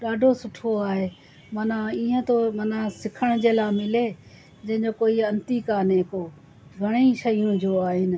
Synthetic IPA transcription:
ɗaːɖʱosʊʈʰoaːɦeː | mɐnãiːə̃t̪omɐnãsɪkʰəɽ̃d͡ʑeːlaːɪmɪle | d͡ʑɐ̃ɦɪ̃ɲd͡ʑokoːiɐ̃nt̪ikaːnɦɪko | ɡʱɐɽ̃iʃɐjũd͡ʑoaːɦɪnɪ̆

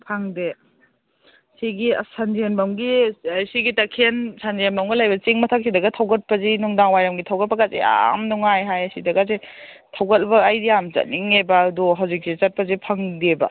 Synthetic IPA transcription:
pʰaŋde | siɡḭsand͡ʒienbɐmɡisiɡitɐkʰensanzienbɐmɡɐlajbɐt͡ʃiŋmɐtʰak̚sidɐɡɐtʰɐwɡɐt̚pɐzinuŋdaŋwajɾɐmɡitʰɐwɡɐt̚pɐɡazḛa̰mnuŋajɦajɐsidɐɡaze | tʰɐwɡɐt̚bɐːjdiamt͡ʃɐ̰t̚niŋebaːduɦawzik̚sit͡ʃɐt̚pɐzipʰɐŋdebɐ̰

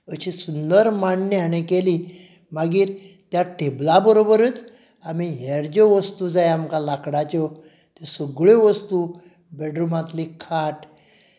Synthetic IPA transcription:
əɕisund̪əɾmaɳːəañekeli | maɡiːɾ | t̪jaʈʰeblabəɾobəɾət͡s | amiɦeɽd͡ʑɔʋəst̪ud͡zajamkalakɽat͡ɕɔ | t̪esəɡɭeʋəst̪uː | bɛɖɾumãt̪likʰaʈ

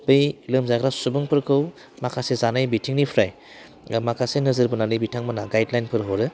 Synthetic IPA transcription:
bɯjlɯmzaɡɾasubɯŋpʰɯɾkʰɯw | makʰasezanɯjbitʰiŋnipʰɾaj | makʰasenɯzɯɾbɯnanɯjbitʰaŋmanaɡajdlajnpʰɯɾɦɔɾɯ

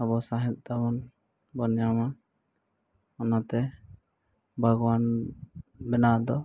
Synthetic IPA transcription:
abɔsaɦɛt̪̚ˀt̪amɔn | bɔnjama | ɔnat̪ɛ | bʱaɡɔwan | bɛnad̪ɔ

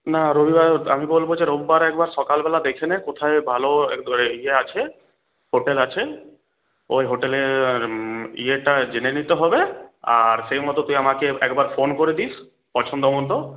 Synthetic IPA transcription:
naɾobibaamibolbod͡ʑeɾobʱibaɾɛkbaɾʃɔkalbɛlad̪ekʰenekot̪ʰaebʱaloɛieat͡ɕʰe | ɦoʈelat͡ɕʰe | ojɦoʈele | ḭeʈad͡ʑenenit̪eɦɔbea̰ɾʃejmɔt̪ot̪ujamakeɛkbaɾfonkoɾid̪is | pɔt͡ʃʰond̪omont̪o

